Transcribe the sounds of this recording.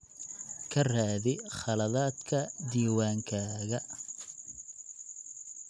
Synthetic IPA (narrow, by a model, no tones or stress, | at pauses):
kʰɐraːðɪχɑlɐðaːd̪kʰɐd̪iːwaːŋkʰaːɣɐ